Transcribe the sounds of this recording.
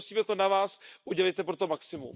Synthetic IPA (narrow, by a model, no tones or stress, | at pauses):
siːmɛt̪o̞navaːsʔuɟɛlɛjt̪ɛpɾo̞t̪o̞maksɪmṵm